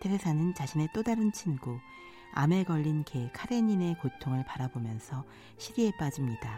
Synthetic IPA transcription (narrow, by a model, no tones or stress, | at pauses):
tʰebesʰanɯnt͡ɕaɕʰine̞t͈odaɾɯnt͡ɕʰinɡo | a̰me̞ɡʌʎːinke̞kʰaɾeɲine̞kotʰoŋɯɭpaɾabomjʌnsʰʌ | ɕʰiɾie̞p͈ad͡ʑimɲida